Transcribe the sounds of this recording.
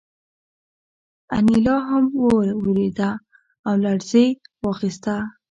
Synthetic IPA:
a̰nilɑɦamwoɾwəɾed̪aː | wlaɽzejwɑxist̪a

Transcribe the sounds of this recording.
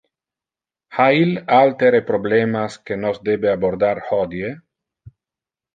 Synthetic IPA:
hailalt̪eɾepɾoblemaskenozd̪ebeaboɾd̪aɾhod̪je

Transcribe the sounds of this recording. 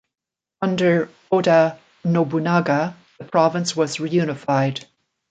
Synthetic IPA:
ʌ̃ndə˞ | oɾə | nobunaɡə | ðəpʰɹ̥ɑvə̃nswʌzɹijʉnɨfaɪd̥

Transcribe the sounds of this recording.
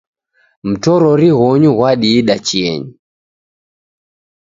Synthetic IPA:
m̩tɔɾɔɾiɣɔɲuɣwaɗiːɗat͡ʃiɛ̰ɲi

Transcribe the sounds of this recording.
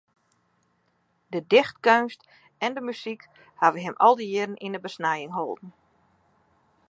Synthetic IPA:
dədɪxtkønst | ɛndəmysik | haʋəɦɛmʔɔ̰lˠdəjɪɾnʔinəbəsnajɪŋɦolˠdn̩

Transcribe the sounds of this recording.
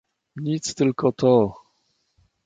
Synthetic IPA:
ɲit̪st̪ɘlkɔt̪ʰɔ

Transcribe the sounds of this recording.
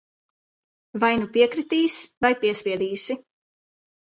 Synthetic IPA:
vajnupiɛkɾit̪iːsvajpiɛspʲiɛd̪iːsi

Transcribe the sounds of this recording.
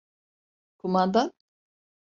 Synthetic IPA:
kʰumand̪an

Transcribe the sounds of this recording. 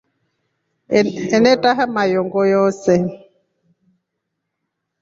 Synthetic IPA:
ɛnɛtʼaɦamajɔŋɡɔjɔːsɛ

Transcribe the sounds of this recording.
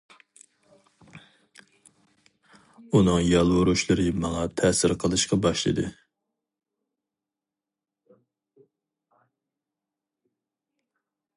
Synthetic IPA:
unɨŋjɑlˠwoɾuʃlˠɨɾɨmɑŋɑt̪ʰɛːsɪɾqʰəlˠɨʃqɑbɑʃlˠɨ̰d̪ɨ

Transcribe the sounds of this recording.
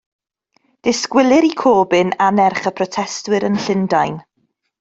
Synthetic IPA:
d̥ɪskwɪlˠɪɾikʰoːbɪnanɛrχəpʰrɔtʰɛstwɪɾənɬɪndajn

